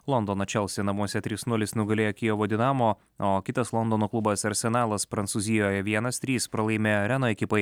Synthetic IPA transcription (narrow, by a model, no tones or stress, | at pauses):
lˠɔnd̪oːnɐt͡ʃʲɛlˠsʲɪnɐmuɔsʲɛt̪ʲɾʲiːsnʊlʲɪsnʊɡɐlʲeːjɐkʲɪjoːʋoːd̪ʲɪnɑːmoː | oːkʲɪt̪ɐslˠɔnd̪oːnoːklˠubɐsɐɾʲsʲɛnɑːlˠɐspɾɐnt̪suzʲɪjoːjɛʋʲiɛnɐst̪ʲɾʲiːspɾɐlˠɐɪmʲeːɾʲænoːɪkʲɪpɐɪ